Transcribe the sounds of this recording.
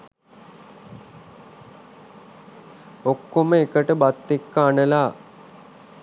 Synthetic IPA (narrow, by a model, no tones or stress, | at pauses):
okːoməekəʈəbat̪ːekːəanəlaː